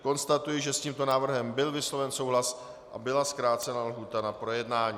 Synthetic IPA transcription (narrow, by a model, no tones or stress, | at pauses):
ko̞nst̪at̪ujɪʒɛsciːmt̪o̞naːvr̩ɦɛmbɪlvɪslo̞vɛnso̞wɦlas | ʔa̰bɪlaskɾaːt̪t͡sɛnalɦuːt̪anapɾo̞jɛdnaːɲiː